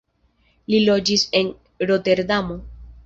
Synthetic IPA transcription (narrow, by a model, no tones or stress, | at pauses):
lilo̞d͡ʒise̞n | ɾo̞te̞ɾdamo